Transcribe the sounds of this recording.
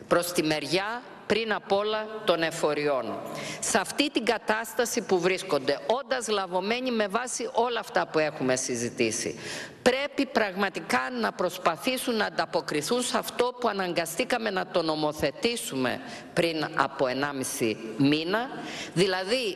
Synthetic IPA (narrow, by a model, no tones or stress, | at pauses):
pɾo̞st̪ime̞ɾʝɐ | pɾinɐpo̞lɐt̪o̞ne̞fo̞ɾio̞nsɐft̪it̪iŋɡɐt̪ɐst̪ɐsipuvɾisko̞nd̪e̞o̞nd̪ɐzɣlɐvo̞me̞ɲime̞vɐsiʔo̞lɐːft̪ɐpue̞xume̞sizit̪isḭpɾe̞pipɾɐɣmɐt̪ikɐnɐpɾo̞spɐθisunːɐːnd̪ɐpo̞kɾiθunsɐft̪o̞puɐnɐŋɡɐst̪ikɐme̞nɐt̪o̞no̞mo̞θe̞t̪isume̞̰pɾinɐ̰po̞e̞nɐmisḭminɐðilɐði